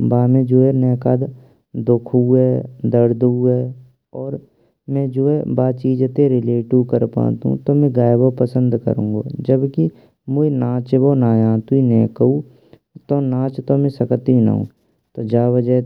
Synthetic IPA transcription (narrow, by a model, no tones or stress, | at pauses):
baːmẽd͡ʒoːɛnɛːkad̪ | d̪okʰuɦɛːd̪əɾd̪uɦɛː | ɔːɾ | mɛ̃d͡ʒoːɛbaːt͡ʃiːd͡ʒt̪eɾɪleːʈiʋkəɾpã̰ːt̪ṵ̃t̪omɛ̃ɡaːjbopəsə̃nd̪kə̰ɾũːŋɡo̰ːd͡ʒəbki | moːinãːt͡ʃboːnaːjãːt̪uinɛːkəu | t̪oːnãːt͡ʃt̪omẽsəkt̪inə̰ɦṵ̃ː | t̪oːd͡ʒaːʋəd͡ʒə